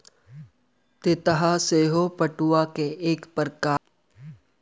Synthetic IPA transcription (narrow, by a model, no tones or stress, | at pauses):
t̪et̪əɦaseːɦopɐʈuakeeːkpəɾkaː